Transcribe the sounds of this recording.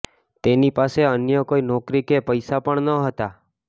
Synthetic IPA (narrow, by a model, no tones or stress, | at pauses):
t̪enipaseənjəkoinɔkɾikepəjsapəɳnəɦət̪a